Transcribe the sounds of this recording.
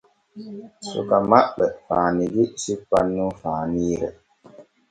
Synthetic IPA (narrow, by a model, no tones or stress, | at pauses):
sṵkamaɓɛfaːniɡisipːanːufaːniɾɛ